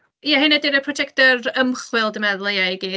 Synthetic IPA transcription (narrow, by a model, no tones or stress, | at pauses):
jahɪnɛdɪɾəpʰrɔd͡ʒɛk̚tɔrəmχwɪlˠdəmɛðlˠejajɡin